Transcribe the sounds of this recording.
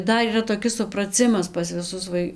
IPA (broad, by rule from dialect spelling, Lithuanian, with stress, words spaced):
ˈdɐr iːˈrɐ toːˈkʲɪs sʊprɐˈt͡sʲɪmɐs pɐs ʋʲɪˈsʊs ˈʋɐɪ